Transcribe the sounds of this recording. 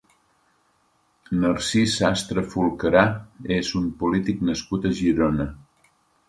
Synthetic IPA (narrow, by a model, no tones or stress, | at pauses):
nəɾsisast̪ɾəfulˠkəɾaezumpulit̪iknəskut̪əʒiɾonə